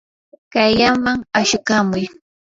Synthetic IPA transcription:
kajjamaŋaʃʊkamʊj

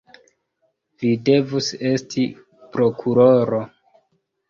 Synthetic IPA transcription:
vide̞vuse̞stʰi | pɾo̞kʰuɾoɾo̞

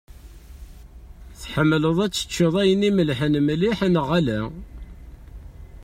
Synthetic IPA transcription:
θħəmːləðˤæt͡sːə̥t͡ʃːiðˤæjəniməlħənmliħənəʁælæ

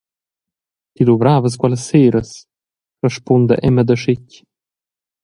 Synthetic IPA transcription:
t̪iluvɾaːvəs̬ɡwaləseːɾəs | rəʃpund̪ə̰ʔɛməd̪əʃɪcʲ

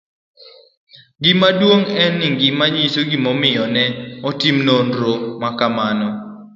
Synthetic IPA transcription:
ɡɪmadwoŋɛnːɪŋɡɪmaɲisoɡimɔmɪjɔnɛɔtimnondɾomakamanɔ

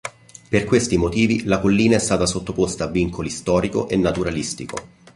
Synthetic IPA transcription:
perkwest̪imot̪iːvilakolːiːnaɛst̪aːt̪asot̪ːopost̪aːvːiŋkʰolist̪ɔːɾiko̰ʔenːat̪uɾalist̪iko̰

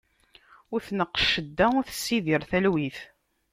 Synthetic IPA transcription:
ʊɾθnəqːʃːəd̪ːæʊɾθə̥sːiðiɾθælwiθ

